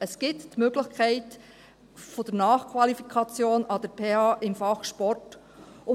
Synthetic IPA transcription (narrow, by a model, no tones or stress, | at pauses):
əsɡ̥ɪttmøɡlɪχkʰɛɪt | fod̥əɾnɑːχkʰvʋɑlifikʰɑt͡sjoːnɑd̪əɾpʰeːɑːʔɪmfɑχʃpɔrt | ʊ